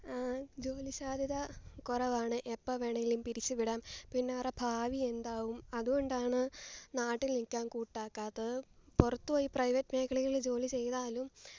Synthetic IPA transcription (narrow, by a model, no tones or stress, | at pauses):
d͡ʑo̞ːliɕaːd̪ʱiðɐkurɐʋaːɳɨʔepːɐʋeɳɐjilumpiɾit͡ɕːɨʋiɽaːmpinːeɐrɐbʱaːʋie̞nd̪aːwumɐðuɣo̞ɳɖaːɳɨnaːʈːilnikʲːaːnkuːʈːaːkːaːðɨpurɐt̪ːuʋoːjiprɐjʋɐtːmeːkʰːɐɭiɣɐɭld͡ʑo̞ːlit͡ɕe̞jðaːlum